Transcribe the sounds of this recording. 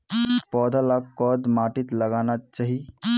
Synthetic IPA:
pɔːd̪ʱalakːɔd̪maːʈit̪ləɡaːnat͡ʃaːɦi

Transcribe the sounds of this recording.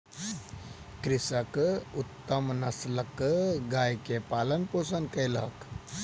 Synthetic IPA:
kɾisəkut̪ːəmnɐsləkɡajkepaːlənpoːsənkəjlə̰k

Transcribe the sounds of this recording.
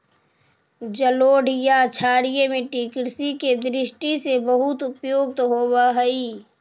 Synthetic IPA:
d͡ʒəloːɖʱijat͡ʃʰaːɽijemẽʈiːkɾsiked̪ɾɪʃʈisebəɦʊt̪ʊpjoːɡ̚t̪ɦoːbaɦəi

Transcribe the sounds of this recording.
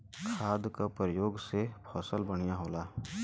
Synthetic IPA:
kʰaːd̪kapəɾəjoːɡsepʰɔːsəlbəɽ̃ijaɦoːlaː

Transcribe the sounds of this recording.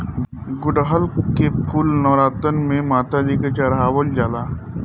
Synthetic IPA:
ɡʊɖɦəlkepʰuːlnɔːɾaːt̪ənmẽmaːt̪ad͡ʒiːket͡ʃaɾɦaːʋəld͡ʒaːlaː

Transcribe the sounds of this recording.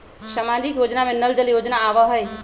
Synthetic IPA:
ʃəmad͡ʒikjoːd͡ʒnamẽnəld͡ʒəljoːd͡ʒnaːʋəɦəj

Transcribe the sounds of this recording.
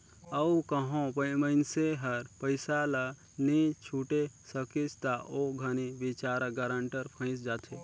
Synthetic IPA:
əukəɦõpəməɪnseɦəɾpəɪsala | nit͡ʃʰuʈesəkit͡ʃt̪aʔoɡʱəniʋɪt͡ʃaːɾaɡəɾə̃ɳʈəɾpʰə̃ɪ̃t͡ʃd͡ʒaːt̪ʰe

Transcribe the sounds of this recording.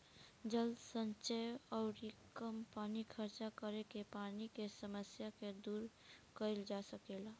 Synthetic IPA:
d͡ʒəld̪sə̃nt͡ʃəɔʊɾɪkəmpanikʰəɾt͡ʃakəɾekepanikesəməsjaked̪uːɾ | kəild͡ʒasəkela

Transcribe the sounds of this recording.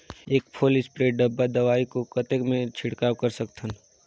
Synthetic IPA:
eːk̚pʰoːlɪspɾeːɖɐbːad̪ɐʋaːikokɐt̪ekmẽt͡ʃʰɪɽkaːwkɐɾsɐkt̪ʰən

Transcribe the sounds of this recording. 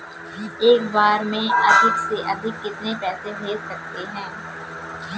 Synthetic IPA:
eːkbaːɾmẽɐd̪ʱɪkseʔɐd̪ʱɪkːɪt̪nepɛːsebʱeːdsɐk̚t̪eɦɛ̃ː

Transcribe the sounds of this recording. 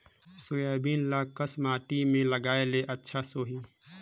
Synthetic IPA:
sʊjaːbiːnlaːkəsmaːʈimẽləɡaːeleʔɐtːʃʰasoːɦi

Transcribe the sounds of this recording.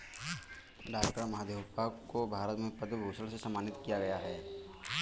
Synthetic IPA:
ɖaːkʈəɾmɐɦaːd̪eːʋpakkobʱaːɾət̪mẽpəd̪bʱoːsəɭsesɐmːaːnɪt̪kijaɡɐjaɦɛː

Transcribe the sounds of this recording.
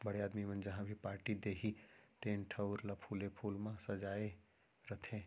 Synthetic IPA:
bɐɽeaːd̪mimɐ̃nd͡ʒɐɦãbʱipaːɾʈid̪eːɦit̪ẽːnʈʰɐʊɾlapʰuːlepʰuːlmãsɐd͡ʒaːe | ɾɐt̪ʰẽ

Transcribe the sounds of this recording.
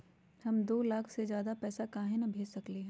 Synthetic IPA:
hɐmd̪oːlaːkʰsezjaːd̪apɛːsakaːɦɪnɐbʱeːd͡ʒsɐkleɦɛ̃ː

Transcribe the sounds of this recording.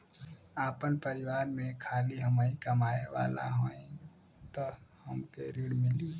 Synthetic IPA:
aːpənpəɾɪwaːɾmẽkʰaːliɦəmaːikɐmaːeʋa̰ːla̰ɦoːẽ | t̪ohɐmkeɾiːɽmɪliː

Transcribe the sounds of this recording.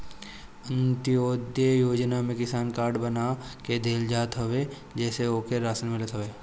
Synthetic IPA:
ə̃nt̪ɪoːd̪jəjoːd͡ʒnamẽkɪsaːnkaːɾɖbɐnaked̪ʱeːld͡ʒaːt̪ɦoʋe | d͡ʒɛːseoːkeɾaːsəlmɪlət̪ɦoʋeː

